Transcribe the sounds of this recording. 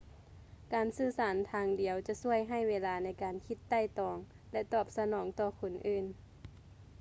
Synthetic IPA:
kaː˨˩nsɯː˧˩saː˨˦nt̪ʰaː˧˥ŋdi˨˩˦əwt͡ɕa˧su˧˩əjɦa˧˩jʋeː˧˥laː˧na˧˥jkaː˨nkʰi˧t̪ːa˥˩˨jt̪ɔː˨˦ŋ | lɛ˧t̪ɔː˧˩p̚sa˧nɔː˨˦ŋt̪ɔː˧kʰo˨nʔɯː˧˩n

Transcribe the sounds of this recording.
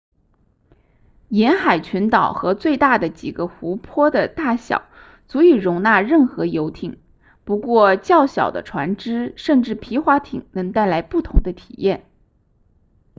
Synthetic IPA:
jɛ˧˥nxa˨˩ɪt͡ɕʰɛ˧˥nt̪ɑ˨˩ʊxɤ˧˥t͡swe˥˧ɪt̪a˥˩d̪ə˩t͡ɕi˨˩ɡə˦xu˧˥pʰwɔ˥d̪ə˨t̪a˥˩ɕjɑ̰˨˩˦ʊ | t͡su˧˥i˨˩ɻʊ˧˥ŋna˥˧ɻə˥˩nxɤ˧˥jo˧˥ʊt̪ʰi˨˩˦ŋ | pu˧˥kwɔ˥˧t͡ɕjɑ˥˩ʊɕjɑ̰˨˩ʊd̪ə̰˦ʈ͡ʂʰwa˧˥nʈ͡ʂɻ̩˥ʂə˥˧nʈ͡ʂɻ̩˥˩pʰi˧˥xwa˧˥t̪ʰḭ˨˩ŋnɤ˧˥ŋt̪a˥˩ɪla˧˥ɪpu˥˩t̪ʰʊ˧˥ŋd̪ə˧t̪ʰi̥̰˨˩jɛ˥˩n

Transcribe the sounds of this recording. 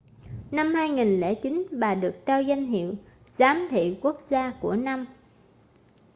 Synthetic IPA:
na˧mhaː˧jŋi˨˩nlḛ˧˩t͡ɕi˨˦nɓaː˨˩ɗɨ˨˩ək̚t̪aː˧wza˧jŋ̟ɦḭ˧˨əw | z̥aː˨˦mt̪ʰḭ˧˨wku˦˥ək̚zaː˧ku˧˩əna˧m

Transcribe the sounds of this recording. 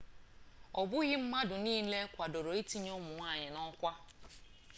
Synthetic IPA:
ɔ˨bʊ˦ɣɪ˦m̩˦ma˦dʊ˨niː˦le˦kʷa˨do˨ɾo˨i˦ti˦ɲo˦mʊ˨ŋʷa˦˨ɲɪ˨nɔ˦kʷa˦

